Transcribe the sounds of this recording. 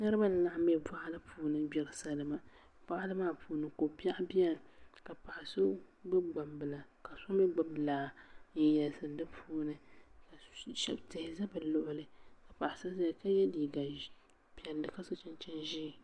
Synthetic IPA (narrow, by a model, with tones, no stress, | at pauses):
nɨ˦ɾɨ˦ba˦nɨ˨la˦ʔm˦ɛ˦ba˦ʔa˦lɨ˦pʰuː˨nɨ˦bɛ˨ɾɨ˨sa˦lɨ˦ma˦ | ba˦ʔa˦lɨ˦maː˦˨pʰuː˨nɨ˦ko˨pa˦ʔbɛ˦lka˨pa˨ʔa˨so˦ɡ͡bɨ˦ɡ͡ba˨mbɨ˨la˨ka˨so˦mɛ˦ɡ͡bʊ˦blaː˨n̩˦jɛ˨lsɨ˨dɨ˦pʰuː˦nɨ˦ka˨ʃɛ̰˦btɪ˨hɪ˨za˦bɨ˨lʊ˨ʔʊ˦lɨ˦ka˨pa˨ʔɪ˨sa˦za˦˨ka˦jɛ˦diː˨ɡa˨ | pɛ˨lːɨ˨ka˦so˦t͡ʃɛ˦nt͡ʃɛ˦nʒiː˦˨